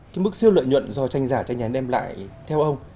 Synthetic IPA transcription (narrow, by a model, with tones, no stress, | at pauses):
kaː˨˦jmɨ˦˥k̚si˧əwlwə̰˧˨jɲwə̰˧˨nzɔ˧t͡ɕa˧jŋ̟zaː˧˩t͡ɕa˧jŋ̟ʔaː˨˦nʔɛ˧mla̰ː˧˨jt̪ʰɛ˧wʔə˧wŋ͡m